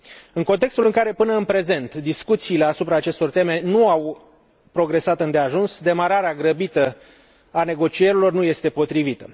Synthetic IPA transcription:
ɨŋko̞nt̪e̞kst̪ulɨŋkaɾe̞pɨnəɨnpɾe̞ze̞nt̪d̪iskut̪siːle̞asupɾaːt͡ʃe̞st̪o̞rt̪e̞me̞nuaw | pɾo̞ɡɾe̞sat̪ɨnd̪eaʒunsd̪e̞maɾaɾeaɡɾəbit̪ə | ane̞ɡo̞t͡ʃie̞ɾilo̞rnuje̞st̪e̞po̞t̪ɾivit̪ə

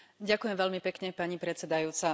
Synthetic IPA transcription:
ɟakujɛmʋɛʎmipɛkɲɛpaɲipɾɛt͡sɛd̪ajuːt͡sa

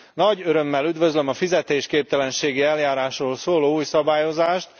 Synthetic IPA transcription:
nɒɟøɾømːɛlyd̪vø̞zlømɒfizɛt̪eːʃkeːp̚t̪ɛlɛnʃeːɡiɛljaːɾaːʃroːlsoːloːuːjsɒbaːjo̞zaːʃt̪

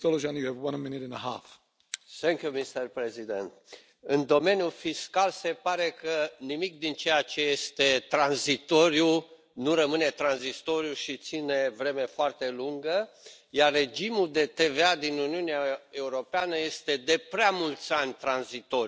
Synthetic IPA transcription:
dɔlˠəʒãnjɨəvwʌ̃nəmɪ̃nɪɾɪ̃nəɦa̰f | θɛŋkjumist̪ərpɾezid̪ent̪ | ɨnd̪o̞me̞njufiskalse̞paɾe̞kənimik̚d̪int͡ʃe̞jat͡ʃe̞je̞st̪e̞t̪ɾanzit̪o̞ɾju | nuɾəmɨne̞t̪ɾanzist̪o̞ɾjuʃit̪sine̞vɾe̞me̞foart̪e̞luŋɡə | jarːe̞d͡ʒimud̪e̞t̪e̞ve̞ad̪inuniuneae̞uɾo̞peanəje̞st̪e̞d̪e̞pɾeamult̪sʲanʲt̪ɾanzit̪o̞

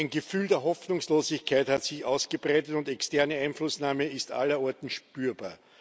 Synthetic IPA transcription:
ɪnɡəfyːldeːɐɦɔfnʊŋsloːzɪçkʰaɪthatsɪçʔa̰ʊsɡ̥əbʁæɪtətʊntɛkstɛɐnəæɪnflʊsnaːməɪstʔa̰lɐɔɐtn̩ʃpyːɐba̰ːɐ

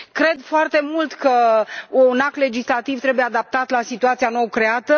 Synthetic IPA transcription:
kɾe̞d̪foart̪e̞mult̪kəunakle̞d͡ʒislat̪ivt̪ɾe̞bujead̪ap̚t̪at̪lasit̪uat̪siano̞wkɾe̞at̪ə

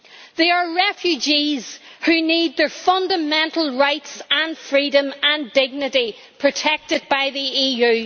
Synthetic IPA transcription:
ðəə˞ɹɛfjʉd͡ʒiz̥hʉnid̪̚ðə˞fʌ̃ndəmɛ̃ntl̩ˠɹaɪtsə̃nfɹiɾə̃mə̃ndɪɡ̚nɨɾi | pʰɹ̥ɨtʰɛk̚tɪd̚baɪðiiːjʉː

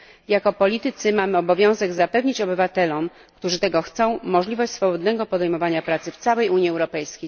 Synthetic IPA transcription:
jakɔpɔlʲit̪ɘt̪sɘmamɘɔbɔvʲjɔ̃w̃zɛɡzapɛvɲit͡ɕɔbɘvat̪ɛlɔm | kt̪uʐɘt̪ɛɡɔxt̪sɔ̃w̃mɔʐlʲivɔɕt͡ɕsfɔbɔd̪nɛɡɔpɔd̪ɛjmɔvaɲapɾat̪sɘft̪sawɛjuɲjiɛwɾɔpɛjskʲej

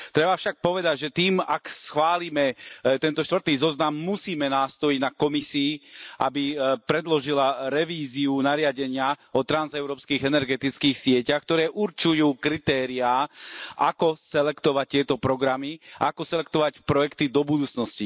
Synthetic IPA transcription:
t̪ɾɛbafʃak̚pɔʋɛd̪aɟʒɛt̪iːmaksxʋaːliːmɛt̪ɛnt̪ɔʃt̪ʋr̩t̪iːzɔznamːusiːmɛnaːst̪ɔjiɟnakɔmisiːʔa̰bipɾɛd̪lɔʒilaɾɛʋiːziunaɾɪaɟɛɲɪaɔt̪ɾanzɛʊɾɔːpskiːɣɛnɛɾɡɛt̪it͡skiːxsɪɛcaxkt̪ɔɾɛːʔuɾt͡ʃujuːkɾit̪ɛːɾiaːʔa̰kɔsɛlɛkt̪ɔʋac̚t̪ɪɛt̪ɔpɾɔɡɾamia̰akɔsɛlɛk̚t̪ɔʋacpɾɔjɛkt̪id̪ɔbud̪uːt͡snɔsci

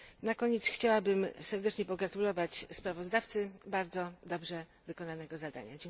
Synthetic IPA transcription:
nakɔɲɛt̪sxt͡ɕawabɘmsɛɾd̪ɛt͡ʂɲɛpɔɡɾat̪ulɔvat͡ɕspɾavɔzd̪aft̪sɘbaɾd̪zɔd̪ɔbʐɛ | vɘkɔnanɛɡɔzad̪a̰ɲa̰d͡ʑɛŋ

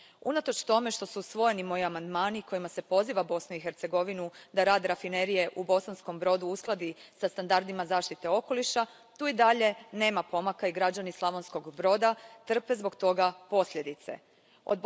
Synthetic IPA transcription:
ṵnat̪ot͡ʃt̪o̞me̞ʃt̪o̞susʋo̞je̞nimo̞jiamand̪maːniko̞jimase̞po̞ziːʋabo̞snuixe̞ɾt̪se̞ɡo̞ʋinud̪aɾaːd̪ɾafine̞ɾije̞ʔubo̞sansko̞mbɾo̞d̪uusklˠad̪isast̪and̪aɾd̪imazaːʃt̪it̪e̞o̞ko̞liʃa | t̪uːid̪aʎe̞ne̞ːmapo̞makaiɡɾad͡ʑanislˠaʋo̞nsko̞ɡbɾo̞d̪at̪r̩pe̞zbo̞ɡt̪o̞ɡapo̞sʎʲe̞d̪it̪se̞̰ | od̪

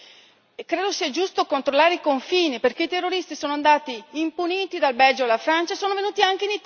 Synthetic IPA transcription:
kɾeːd̪osiɛd͡ʒust̪okont̪ɾolːaːɾeikoɱfiːniperk̟eit̪erːoɾist̪isoːnoand̪aːt̪iːmpuniːt̪id̪albɛld͡ʒoalafɾant͡ʃaesoːnovenuːt̪iaŋk̟einit̪

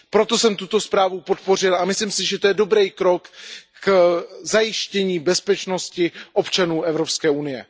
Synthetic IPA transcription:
pɾo̞t̪o̞sɛmt̪ut̪o̞spɾaːvupo̞t̪̚po̞r̝ɪlʔamɪsliːmsɪʒɛt̪ojɛdo̞bɾɛjkɾo̞kː | zajɪʃcɛɲiːbɛspɛt͡ʃno̞scɪʔo̞pt͡ʃanuːʔɛvɾo̞pskɛːunɪjɛ̰

